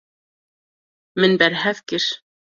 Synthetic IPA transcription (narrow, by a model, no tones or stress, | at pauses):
mɘ̆nbæɾɦæθkiʃ